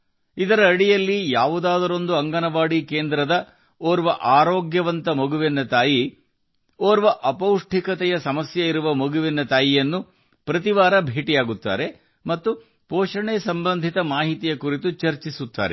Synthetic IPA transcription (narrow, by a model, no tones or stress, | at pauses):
id̪ɐɾɐːɽijɐlːijaːʋud̪aːd̪ɐɾo̞nd̪uɐŋɡɐnɐʋaːɽike̞ːnd̪ɾɐd̪ɐ | oːɾʋɐʔaːɾoːɡjɐʋɐnt̪ɐmoɡuʋinːɐt̪aːji | oːɾʋɐʔɐpɐwʂʈʰikɐt̪ɛjɐsɐmɐsjɐiɾuʋɐmoɡuʋɛnːɐt̪aːjijɐnːu | pɾɐt̪iʋaːɾɐbʱeːʈijaːɡut̪ːa̰ːɾe̞ | mɐt̪ːu | poːʃɐɳesɐmbɐnd̪ʱit̪ɐmaːɦit̪ijɐkuɾit̪ut͡ʃɐɾt͡ʃisut̪ːa̰ːɾḛ